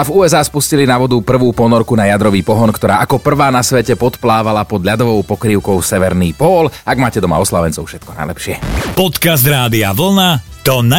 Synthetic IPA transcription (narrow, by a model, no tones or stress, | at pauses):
avuːɛzaːspuscilinaʋɔd̪upr̩ʋuːpɔnɔɾkunajad̪ɾɔʋiːpɔɦɔnkt̪ɔɾaːʔakɔpr̩ʋaːnasʋɛcɛpɔt̪plaːʋalapɔd̪ʎad̪ɔʋɔʊpɔkɾiːʊkɔʊsɛʋɛɾniːpɔːlaɡmaːcɛd̪ɔma̰ɔslaʋɛnt͡sɔʊfʃɛt̪̚kɔna̰jlɛpʃɪɛpɔt̪kazd̪ɾaːd̪iaʋl̩nat̪ɔna